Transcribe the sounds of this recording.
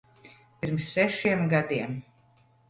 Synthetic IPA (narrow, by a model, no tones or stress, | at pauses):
piɾmsːɛʃiɛmɡad̪iɛm